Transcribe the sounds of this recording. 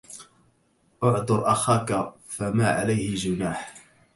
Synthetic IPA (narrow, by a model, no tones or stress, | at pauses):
ʔʊʕd̪ˤʊɾˤʔaxaːka | famaːʕa̰lajhɪd͡ʒʊnaːħ